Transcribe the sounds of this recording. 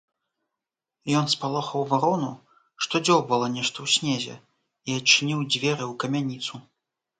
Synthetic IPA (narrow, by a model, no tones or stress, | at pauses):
jɔnspalˠɔxɐwvaɾɔnu | ʂt̪ɔd͡zʲɔwbɐlˠɔnʲɛʂt̪ɐwsʲnʲɛzʲɛ̰ | iɐt͡ʂːɨnʲiwd͡zʲvʲɛɾɨwkɐmʲanʲit̪su